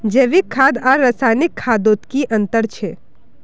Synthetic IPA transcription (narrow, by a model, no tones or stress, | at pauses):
d͡ʒeʋikʰːaːd̪aːɾːəsaːnɪkʰːaːd̪oːt̪kiʔɐ̃nt̪əɾt͡ʃʰeː